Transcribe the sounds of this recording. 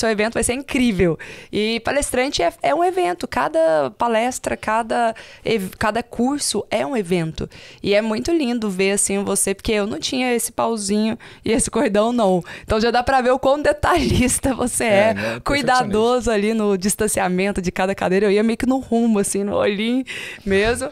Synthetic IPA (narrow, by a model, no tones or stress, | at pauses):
sewevẽnt̪ʊvajseɾĩkɾivewɪpalest̪ɾɐ̃nt͡ʃɪɛɛũevẽnt̪ʊka̰d̪ɐpalɛst̪ɾɐkad̪ɐevkad̪ɐkʰuɾsʊɛũevẽnt̪ʊɪɛmũj̃t̪ʊlĩnd̪ʊveɾasĩvosepoɾkeewnɐ̃w̃t͡ʃĩɲɐesɪ̥pawzĩɲʊ | ɪesɪkoɾd̪ɐ̃w̃nɐ̃w̃eẽt̪ɐ̃w̃ʒad̪apɾɐveɾʊkwɐ̃w̃d̪et̪aʎist̪ɐvoseɛkujd̪ad̪ozʊalinʊd͡ʒist̪ɐ̃siamẽnt̪ʊd͡ʒɪkad̪ɐkad̪ejɾɐewiɐmejʊkɪnʊhũmʊasĩnʊ̰o̰ʎĩmezmʊ